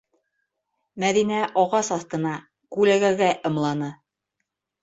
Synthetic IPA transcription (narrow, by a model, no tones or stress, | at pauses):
mæðinæʔɑʁɑsɑθt̪ɤ̆nɑ | kʉlæɡæɡæʔɤ̆mlˠɑnɤ